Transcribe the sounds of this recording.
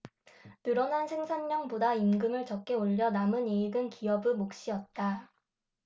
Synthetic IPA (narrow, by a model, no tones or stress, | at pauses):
nɯɾʌnɦansʰeŋsʰanːʌŋbodaimɡɯmɯɭt͡ɕʌk̚k͈e̞oʎːʌnamɯneiɡɯnkiʌbɯmok̚ɕ͈iʌt̚t͈a